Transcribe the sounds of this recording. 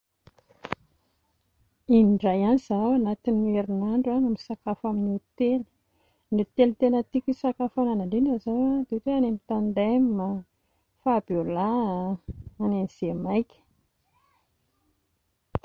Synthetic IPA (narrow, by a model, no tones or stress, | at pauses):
imiɳɖ͡ʐajanizawanat̪ineɾinaɳɖ͡ʐaŋamiisakafaminut̪eli̥ | nit̪elt̪enət̪ikʲisakafananaɳɖ͡ʐinazawad̪et̪eanemit̪and̪ajmma | fab̥ola | aneniz̥emajkʲə̥